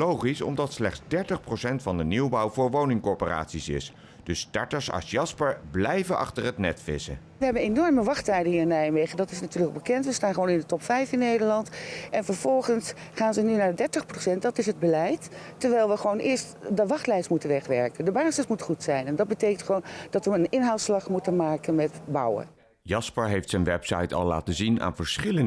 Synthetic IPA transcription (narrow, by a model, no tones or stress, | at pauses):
lowχisɔ̰mdɑtslɛχdzdɛɹtəχprosɛntfɑndəniwbɑwvʊːɹʋownɪŋkɔɹpəra̰ːtsisɪ̰s | d̥əstɑ̰ɹtəɹsɑ̰sjɑspəɹblɛjvəʔɑ̰χtərɦətnɛ̰tfɪ̰sə̰ | ʋəɦɛbənenɔɹməʋɑχtɛjdəɦiːənɛjmejχəndɑtɪsnatyːɹləkbəkɛntʋəstaːnχəʋownɪndətɔpfɛjfɪnːejdəɹlɑntʔɛnfəɹvɔlˠχənsχaːnzənynaːɹdɛɹtəχprosɛntdɑtɪsɦəd̚bəlɛjtː | əɹʋɛjlˠʋəχəʋownʔɪːɹstdəʋɑχtlɛjsmutənʋɛχʋɛɹkəndəbaːsəsmutχutsɛjnɛndɑd̚bətejkəntχəʋownd̥ɑtʋəənɪnɦawtslɑχmutənmaːkənmɛtbɑ̰wə̰ | jɑspəɹɦejftsɛnʋɛpsɑ̰jtɑ̰lˠːa̰ːtəzina̰ːnvəɹsχɪlə